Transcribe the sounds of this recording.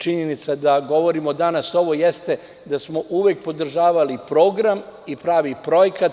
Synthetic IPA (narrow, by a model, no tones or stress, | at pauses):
t͡ʃiɲenit̪sad̪aɡo̞ʋo̞ɾimo̞d̪anaso̞ʋo̞jest̪e̞ | d̪asmoʔuʋek̚po̞d̪r̩ʒaːʋalipɾo̞ːɡɾamipɾaːʋipɾo̞jekat̪